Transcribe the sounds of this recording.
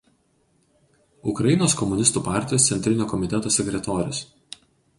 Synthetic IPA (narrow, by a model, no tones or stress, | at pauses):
ʊkɾɐjɪnoːskɔmʊnʲɪst̪uːpaˑɾʲt̪ʲɪjoːst̪sʲɛnʲt̪ʲɾʲɪnʲoːkɔmʲɪt̪ʲɛt̪oːsʲɛkʲɾʲɛt̪oːɾʲʊs